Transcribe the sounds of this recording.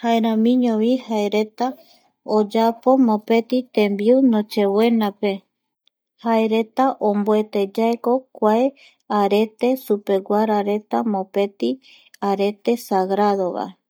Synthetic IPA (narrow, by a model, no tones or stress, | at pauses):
haeɾãmĩɲõβihaeɾe̞t̪a | od͡ʒapo̞mõpe̞t̪it̪ẽmbiunõt͡ʃe̞we̞nãpe̞ | haeɾet̪aʔomboe̞t̪ed͡ʒaeko̞kʷae | aɾe̞t̪e̞supe̞ɡʷaɾaɾe̞t̪amõpe̞t̪i | aɾe̞t̪e̞saɡɾaðoβa̰